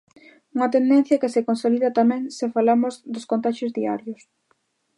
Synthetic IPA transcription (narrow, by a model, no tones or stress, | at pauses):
uŋɐt̪end̪ɛ̃n̟θjɐkesɪkonsoliðɐt̪amɛ̃ŋsɪfalamʊzd̪ʊskont̪aʃozðia̰ɾjʊs